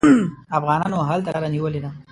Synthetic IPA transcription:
afɣɑnɑnoɦalt̪alaɾaniwəled̪a

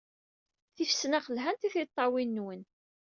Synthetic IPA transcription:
θifsnaχəlɦænt̪iθit̪ˤːɑwinːwən

